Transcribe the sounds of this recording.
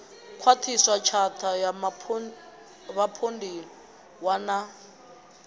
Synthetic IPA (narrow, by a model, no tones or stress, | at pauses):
kʰwatʰiswat͡ʃʰatʰajamʰ | βapʰondʱilɔ | wana